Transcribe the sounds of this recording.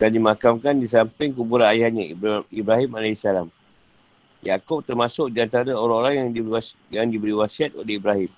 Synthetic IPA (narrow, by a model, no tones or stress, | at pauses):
dandimakamkandisampɪŋkubuɾanajahɲaibɾaɦimalaisalam | jakop̚t̪ərmãsʊk̚diant̪aɾaoɾaŋoɾaŋjaŋdi | jaŋdibəɾiwasiat̪olehibɾaɦɪm